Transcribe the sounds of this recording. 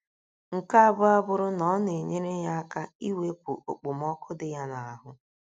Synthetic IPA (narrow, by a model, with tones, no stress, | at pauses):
ŋ̩˨ka˦a˦˨bʊ˦a˦bʊ˦ɾʊ˦nɔ˨˦ne˨ɲe˦ɾe˦ɦa˦a˦ka˦i˦we˦kʷṵ˨ʔo̰˨k͡pʊ˨m˦ɔ˦kʰʊ˦dɪ˦ja˦na˨a˨ɦʊ˦